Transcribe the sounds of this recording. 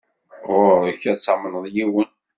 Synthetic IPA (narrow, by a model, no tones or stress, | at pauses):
ʁʊɾəçæt͡sːamənəðˤjiwən